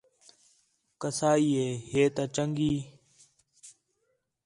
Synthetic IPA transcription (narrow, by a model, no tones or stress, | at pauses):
kəsaːiːeːheːt̪aːt͡ʃəŋɡiː